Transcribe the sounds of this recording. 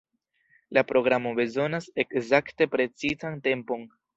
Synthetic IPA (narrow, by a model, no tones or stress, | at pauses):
lapɾo̞ɡɾamo̞be̞zo̞nase̞kzakte̞pɾe̞t͡sizante̞mpo̞n